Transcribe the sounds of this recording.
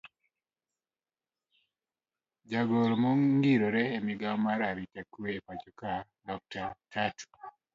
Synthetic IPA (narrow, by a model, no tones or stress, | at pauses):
d͡ʒaɡoɾmoŋŋɡiɾoɾɛːmiɡamaɾaɾitakweːpat͡ʃɔka | dɔk̚tatʰatu̥